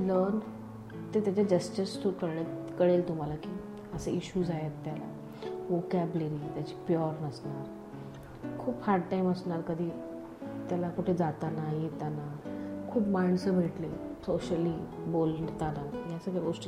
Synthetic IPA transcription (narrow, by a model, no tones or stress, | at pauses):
ləɾn | t̪et̪jat͡ɕad͡ʑəsʈisʈʰukəɾɽet̪kəɽelt̪um̤alakiː | əsəʔiɕuːzaɦet̪ːjala̰ | ʋokɛbləɾiːt̪jat͡ɕiːpjɔɾnəsnaɾ | kʰuːphaɾʈʈaiməsɳaɾkəd̪ʱiː | t̪jalakuʈʰed͡zat̪anaɦit̪anaɾkʰuːpmaɳsəbʱeʈlesoɕəlibolɳɖt̪anajasəkeɡosʈ